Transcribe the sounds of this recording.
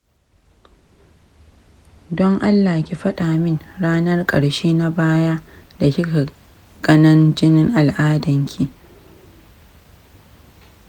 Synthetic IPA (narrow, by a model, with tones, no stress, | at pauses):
dɔ˦ŋʔa˦lːaː˨kʲi˨ɸɐ˦ɗaː˨mɪ˦ŋɽaː˦nɐ˦rkʼɐ̰˨ɽʃeː˦na˦baː˦jaː˦ | da˨kʲɪ˦ka˨ | ɡ̥ɐ˦nɐ˦nd͡ʒɪ˦nɪ˦ŋʔa˨lʔaː˦dɐ˨ŋkʲʰi˨